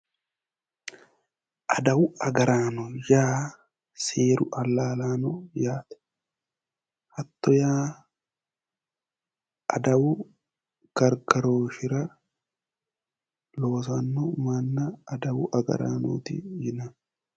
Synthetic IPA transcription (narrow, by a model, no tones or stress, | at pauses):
ʔɐd̪ɐwʊɐɡɐɾaːnɔjaː | seːɾʊʔɐlːaːlaːnɔjaːt̪ɛ̥ | hɐt̪ːɔjaː | ʔɐd̪ɐwʊ | ɡ̥ɐɾɡɐɾoːʃɪɾɐ | lo̞ːsɐnːɔmɐnːɐːd̪ɐwʊʔɐɡɐ̰ɾa̰ːno̰ːt̪ɪ̰jɪnɐ